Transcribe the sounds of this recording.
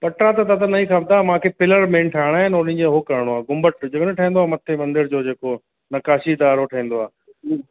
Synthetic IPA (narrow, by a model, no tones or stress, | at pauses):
pɐʈɾat̪ɐt̪ɐt̪ɐnɐĩxɐbd̪aːmãːkʰepɪləɾmẽnʈʰaːɪɽ̃aːɦɪnʊn̤ə̃ɲd͡ʑeɦokɐɾəɽ̃oaːɡʊmbəʈd͡ʑɐɡənʈʰɐɦĩːnd̪oaːmɐt̪ʰemɐ̃nd̪ɪɾd͡ʑoːd͡ʑeːko | nɐkaːʃid̪aːɾoʈʰɐɦĩːn̆d̪oaː